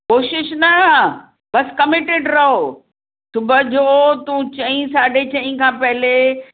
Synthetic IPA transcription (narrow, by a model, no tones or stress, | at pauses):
koːʃɪʃnɐ | bɐskɐmɪʈeːɖɾɐɦo | sʊbəd͡ʑot̪ũt͡ɕɐ̃ĩsaːɖʱet͡ɕɐ̃ĩkʰãːpɐɦɪle